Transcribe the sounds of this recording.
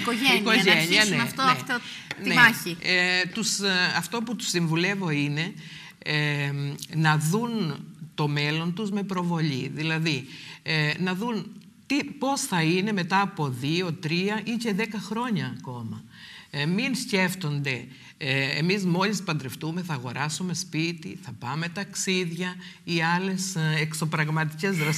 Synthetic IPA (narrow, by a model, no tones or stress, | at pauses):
ikoʝeikoʝeɲiɐnɐftt̪oet̪onieɐçit̪usɐft̪o̞put̪u̥siɱvule̞vo̞ine̞ | nɐðunt̪o̞me̞lo̞nt̪uzme̞pɾo̞vo̞ʎiðilɐði | nɐðun | t̪ipo̞sθɐine̞me̞t̪ɐːpo̞ðio̞t̪ɾiɐʔice̞ðe̞kɐxɾo̞ɲɐːko̞mɐ | minsce̞ft̪o̞nd̪e̞ | ḛmizmo̞lispɐnd̪ɾeft̪ume̞θɐːɣo̞ɾɐsume̞spit̪iθɐpɐme̞t̪ɐksiðʝɐ | iɐle̞sekso̞pɾɐɣmɐt̪ice̞zðɾɐs